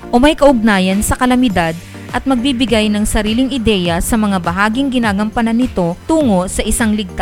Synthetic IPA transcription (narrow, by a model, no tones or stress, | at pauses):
ʔomɐjkɐʔʊɡ̚naːjɐnsɐkɐlɐmɪd̪ad̪̚ | ʔɐt̪̚mɐɡ̚bibɪɡajnɐŋsɐɾiːlɪŋʔɪd̪ɛjɐsɐmɐŋabɐɦaːɡɪŋɡɪnaːɡɐmpɐnɐnɪt̪o̞t̪uːŋo̞sɐʔɪsaŋlɪɡ̚t̪a